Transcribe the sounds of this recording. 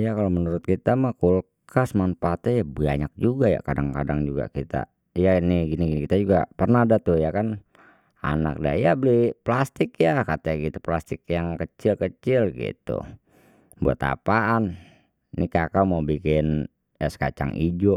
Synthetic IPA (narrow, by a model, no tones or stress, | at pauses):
jakalomənuɾʊt̪̚kit̪amahkulkasmanpat̪ɛjabaɲak̚d͡ʒuɡaja̰kadaŋkadaŋd͡ʒuɡa̰kit̪a̰ | janiɡiniɡinikit̪ad͡ʒuɡa̰pərnadat̪ujakan | a̰na̰k̚da̰jabəliplast̪ɪkjakat̪aaɡit̪uplast̪ɪk̚jaŋkət͡ʃɪlkət͡ʃɪlɡḭt̪ṵ | bua̰t̪a̰paʔan | nikakamabikɪn | asə̥ka̰t͡ʃa̰ŋḭd͡ʒoʔ